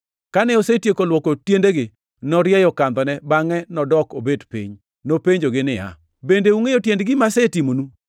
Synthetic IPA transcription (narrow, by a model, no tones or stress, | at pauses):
kanɛosetjekolwɔkotjendeɡɪ | nɔɾjɛjɔkand̪ɔnɛbaŋɛnɔdɔkobedpḭɲ | nopeɲd͡ʒoɡɪnɪa̰ | bendeuŋejotjendɡɪmasetimonu